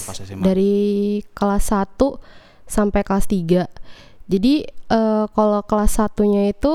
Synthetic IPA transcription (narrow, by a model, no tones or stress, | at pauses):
daɾikəlasat̪u | sampajkalast̪iɡa | d͡ʒadiəkalokəlasːat̪uɲait̪u